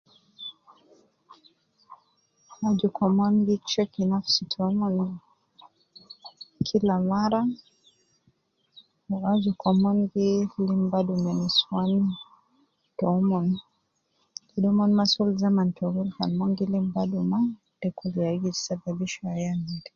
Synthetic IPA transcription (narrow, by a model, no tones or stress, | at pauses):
ad͡ʒukɔmɔnɡit͡ʃɔkinafsitʰɔmɔn | kʰilamaɾa | ad͡ʒukɔmɔŋɡilimbadumɛniswan | tɔmɔn | kiɗɔmɔnmasulzamantʰɔɡulka̰nmɔŋɡilimbaduma | dɛkuliaɡizisababiʃɔajanidi